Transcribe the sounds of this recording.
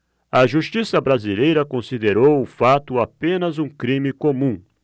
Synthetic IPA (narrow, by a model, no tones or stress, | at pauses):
ɐʒuʃt͡ʃisɐbɾazilejɾɐkõsid̪eɾowʊfat̪ʊapẽnɐzũkɾĩmikomũ